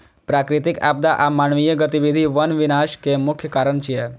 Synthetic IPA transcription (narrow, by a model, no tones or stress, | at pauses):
pɾaːkɾɪt̪ɪka̰ːb̚d̪aʔamaːnʋijəɡət̪iʋid̪ʱiʋɐnʋɪnaːʃkemʊkʰːjəkaːɾəɳt͡ʃʰijɛ